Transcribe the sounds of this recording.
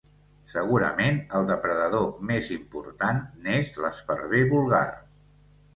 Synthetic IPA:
səɣ̞uɾə̰menəlˠd̪əpɾəðəðomezimpṵɾt̪anːezləspəɾβeβulˠɣa̰r

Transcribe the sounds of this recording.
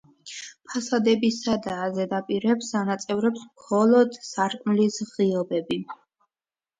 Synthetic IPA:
pʰasad̪ɛbisad̪aːzɛd̪apʼiɾɛpsanat̪sʼɛvɾɛpsmχɔlˠɔd̪saɾkʼmlisʁiɔbɛbi

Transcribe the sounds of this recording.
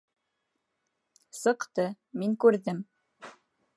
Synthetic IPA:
sɤ̆qt̪ɤ | miŋkʉɾðɘm

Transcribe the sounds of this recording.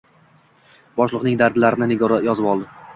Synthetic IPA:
bɒʃlˠɨqnɪŋd̪aɾd̪laɾɪnɪnɪɡɒɾɒjɒzɪpɒlˠd̪ɪ

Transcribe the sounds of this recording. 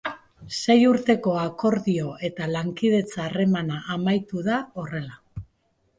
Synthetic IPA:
se̞juɾt̪e̞ko̞ako̞ɾðio̞e̞t̪alaŋkið̞e̞t͡saːre̞manaʔamajt̪uðao̞re̞la

